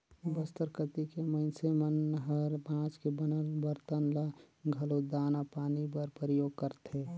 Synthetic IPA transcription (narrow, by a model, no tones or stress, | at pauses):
bəst̪əɾkət̪ikeməɪnsemənɦəɾbãːt͡ʃkebənəlbəɾt̪ənla | ɡʱəlod̪aːnapaːnibəɾpɾəjoːɡ̚kəɾt̪ʰe